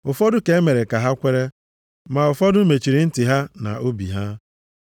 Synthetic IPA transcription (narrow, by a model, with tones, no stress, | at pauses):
ʊ˨fɔ˦dʊ˦ke˨e˦me˨ɾe˨ka˨ɦa˦kʷe˦ɾe˦ | ma˨ʊ˨fɔ˦dʊ˦me˨t͡ʃi˨ɾi˨n̩˦tɪ˨ɦa˦na̰˨ʔo˦bḭ˨ɦa˦